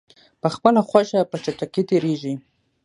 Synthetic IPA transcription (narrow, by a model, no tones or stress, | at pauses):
pəxpəlaxwaʃapət͡ʃaʈ͡ʂaket̪eɾeʒi